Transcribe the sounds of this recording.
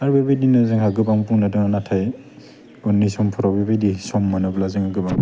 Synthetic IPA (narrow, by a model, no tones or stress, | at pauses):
aɹbebajdinɯzɯŋhaɡɯbaŋpuŋnadɯŋanatʰaj | ɔnːisɔmpʰɔɾɔbebajdisɔmːanɯblazɯŋaɡɯbaŋ